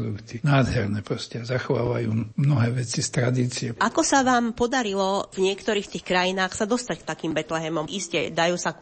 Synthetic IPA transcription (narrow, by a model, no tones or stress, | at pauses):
d̪ukt̪inaːd̪ɦɛɾnɛpɾɔscɛzaxɔʋa̰ːʋajuːmnɔɦɛːʋɛt͡sist̪ɾad̪iːt͡siɛʔakɔsaʋaːmpɔd̪aɾilɔvɲɪɛkt̪ɔɾiːxt̪iːxkɾajinaːxsad̪ɔst̪ackt̪akiːmbɛt̪lɛɦɛmɔmʔiscɛ̰d̪ajuːsa